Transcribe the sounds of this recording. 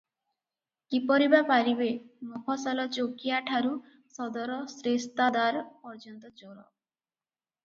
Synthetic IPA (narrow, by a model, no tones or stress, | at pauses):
kipɔɾibapaɾibemɔkʰɔsɔlɔt͡ʃokiaʈʰaɾu | sɔd̪ɔɾɔsɾest̪ad̪aɾpɔɾd͡ʒɔnt̪ɔt͡ʃoɾɔ̰